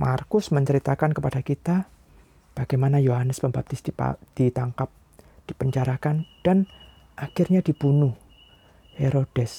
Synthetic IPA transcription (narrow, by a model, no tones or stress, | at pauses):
markʊsməɲt͡ʃəɾit̪akankəpad̥akit̪a | b̥aɡ̥ajmanajoɦanəspəmbap̚t̪ɪsdḭd̥it̪aŋkap̚ | d̥ipəɲt͡ʃaɾakand̥an | ʔakɪrɲadib̥unʊh | heɾod̥ɛs